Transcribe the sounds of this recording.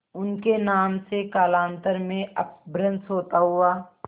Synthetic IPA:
ʊnkenaːmsekaːlãːnt̪əɾmẽɐp̚bɾə̃nsɦoːt̪aɦʊaː

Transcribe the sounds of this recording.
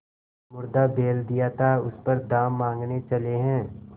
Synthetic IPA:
mʊɾd̪abeːld̪ijat̪ʰaʊspɐɾd̪aːmːãːŋɡnet͡ʃɐleɦɛ̃ː

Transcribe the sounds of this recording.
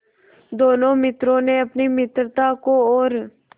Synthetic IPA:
d̪oːnõːmɪt̪ɾõːnẽːəpniːmɪt̪ɾt̪aːkoːoːɾ

